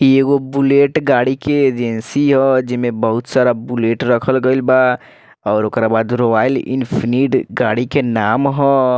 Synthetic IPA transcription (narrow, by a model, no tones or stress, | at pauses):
kieɡobuleʈɡaɽikeːd͡ʒensiɦəd͡ʒimebəɦut̪saɾabuleʈɾəkʰəlɡəɪlba | ɔːɾokɾabad̪ɾobailḭnpʰiniʈɡaɽikenamɦɔ